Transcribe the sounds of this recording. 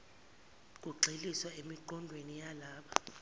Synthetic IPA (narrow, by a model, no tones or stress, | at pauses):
kʼuǀʱiliswaemiǃɔndʱwenijalaːɓa